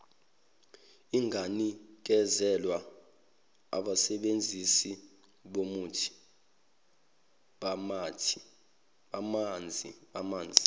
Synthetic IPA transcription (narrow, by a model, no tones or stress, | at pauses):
iŋʱanik̬ɛzɛlwa | a̰ɓasɛɓend͡zʱisi | ɓomutʰi̥ | ɓamatʰi̥ | ɓamand͡zʱiɓamaːnd͡zʱi